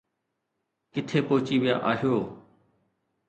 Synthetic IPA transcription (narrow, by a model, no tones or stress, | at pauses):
kɪt̪ʰeːpoɦʊt͡ʃiːʋɪja̰ːʔaːɦijoː